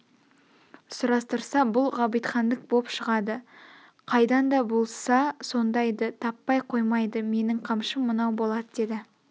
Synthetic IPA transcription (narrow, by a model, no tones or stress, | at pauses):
sʊɾɑst̪əɾsɑbʊlˠʁɑbijt̪χɑnd̪ək̚bo̞pʃəʁɑd̪ə | qʰɑjd̪ɑnd̪ɑbo̞lˠsɑso̞nd̪ɑjd̪ət̪ʰɑpːɑjqʰo̞jmɑjd̪əme̞nɪŋqʰɑmʃəmːənɑwbo̞lˠɑd̪əd̪e̞d̪ɪ